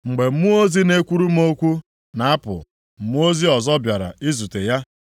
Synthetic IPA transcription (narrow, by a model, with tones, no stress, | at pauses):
ŋ͡m̩˨ɡ͡be˨m̩˦mu˦o˦zi˦ne˦kʷu˦ɾu˦m̩˦o˦kʷu˦ | na˨a˦pʊ̰˨ | m̩˨mu˦o˦zi˦ɔ˨zɔ˦bja˨ɾa̰˨i˦zu˨te˨ja˦